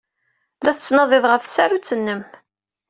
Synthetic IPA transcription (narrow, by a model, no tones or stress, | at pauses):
læθət͡sːnɑðˤeðˤʁəfsaɾut͡sːənːəm